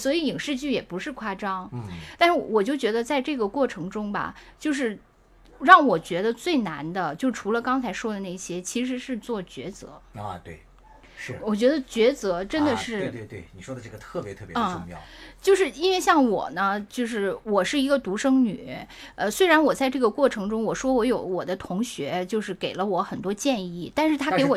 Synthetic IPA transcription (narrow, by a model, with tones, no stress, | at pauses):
swɔ˧˥i˧˥i˨˩ŋʂɻ̩˥˧t͡ɕy˥˩jɛ˨˩pu˧˥ʂɻ̩˥˧kʰwa˥˩ʈ͡ʂɑ˥ŋt̪a˥˧nʂɻ̩˥˩˥wɔ˨˩t͡ɕjo˥˩ʊt͡ɕɥɛ˧˥d̪ə˧t͡sa˥˧ɪʈ͡ʂɤ˥˩ɡə˩kwɔ˥˩ʈ͡ʂʰɤ˧˥ŋʈ͡ʂʊ˥ŋbɐ̰˨˩t͡ɕjo˥˧ʊʂ̬ɻ̩˥˧ | ɻɑ˥˩ŋwɔ˨˩t͡ɕɥɛ˧˥d̪ə˧t͡swe˥˩ɪna˧˥nd̪ə˧t͡ɕjo˥˩ʊʈ͡ʂʰu˧˥lə˧kɑ˥ŋt͡sʰa˧˥ɪʂwɔ˥d̪ə˨na˥˩i˩ɕjɛ˥t͡ɕʰi˧˥ʂ̬ɻ̩˧˥ʂɻ̩˥˧t͡swɔ˥˩t͡ɕɥɛ̰˧˥t͡sɤ̰˧˥˧t̪we˥˩ɪ | ʂɻ̩˥˩wɔ˨˩t͡ɕɥɛ˧˥d̪ə˧t͡ɕɥɛ˧˥t͡sɤ˧˥ʈ͡ʂə˥nd̪ə˨ʂɻ̩˥˩˥e˥˧˩we˥˩ni˨˩ʂwɔ˥d̪ə˨˧ʈ͡ʂɤ˥˩ɡə˩t̪ʰɤ˥˩pjɛ˧˥t̪ʰɤ˥˩pjə˥˧ʊ˥ŋmjɑ̰˥˧ʊt͡ɕjo˥˧ʊʂɻ̩˥˩˧i˥nwe˥˧ɪɕ̬jɑ˥˩ŋwɔ̰˨˩nə˦t͡ɕjo˥˧ʊʂ̬ɻ̩˥˩wɔ˨˩ʂɻ̩˥˩i˧˥ɡə˧t̪u˧˥ʂɤ˥ŋny˨˩˦ | ə˧swe˥ɪɻa˧˥nwɔ˨˩t͡sa˥˧ɪʈ͡ʂɤ˥˩ɡə˩kwɔ˥˩ʈ͡ʂʰɤ˧˥ŋʈ͡ʂʊ˥ŋwɔ˨˩ʂwɔ˥wɔ˧˥jo˧˥ʊwɔ˨˩d̪ə˦t̪ʰʊ˧˥ŋɕɥɛ˧˥t͡ɕjo˥˧ʊʂɻ̩˥˩ke˨˩ɪlə˦wɔ˧˥xə˨˩nt̪wɔ˥t͡ɕjɛ˥˧ni˥˩t̪a˥˧nʂɻ̩˥˩t̪ʰa˥ke˧˥ɪ˥wɔ˨˩